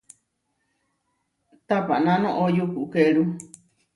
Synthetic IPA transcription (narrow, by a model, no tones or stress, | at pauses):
t̪apa̰nãnõʔojukukeɾu